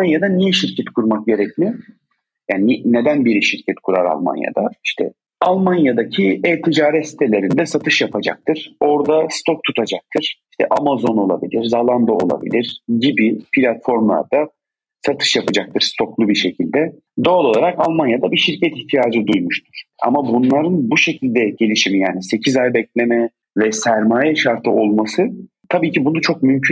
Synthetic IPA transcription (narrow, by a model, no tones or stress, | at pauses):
anjad̪anijɛʃiɾcʰɛt̪kʰuɾmak̚ɟe̞ɾɛcmɪ | jaːnine̞d̪ænbiɾiʃiɾcʰɛt̪kʰuɾaɾa̰lˠma̰nja̰d̪aiʃt̪ʰɛ̰ | alˠmanjad̪acʰiɛːt̪ʰid͡ʒaːɾɛt̪si̥t̪ʰe̞lʲe̞ɾind̪ɛsat̪ʰɯʃjapʰad͡ʒa̰k̚t̪ʰɯɾ̥o̞ɾd̪ast̪ʰok̚t̪ʰut̪ʰad͡ʒak̚t̪ʰɯɾ̥iʃt̪ʰɛ̰ʔamazo̞no̞lˠa̰bḭlʲiɾzalˠand̪oo̰lˠa̰bḭlʲiɾ̥ɟibipʰilʲat̪fo̞ɾmlˠa̰ɾd̪a | sat̪ʰɯ̥ʃjapʰad͡ʒak̚t̪ʰɯɾ̥st̪ʰo̞klˠubiɾʃe̞cʰilʲd̪ɛ | d̪o̞alˠo̞lˠaɾakalˠmanjad̪abiʃiɾcʰɛt̪içt̪ʰijaːd͡ʒɯd̪ujmuʃt̪ʰuɾ̥a̰mabunlˠaɾɯnbuʃe̞cʰilʲd̪ɛɟe̞lʲiʃimijaːnise̞cʰizajbɛclʲe̞mɛ | vɛsæɾmaːjɛʃaɾt̪ʰɯo̞lˠmasɯ | t̪ʰabiːcʰibunut͡ʃʰok̚mymcʰy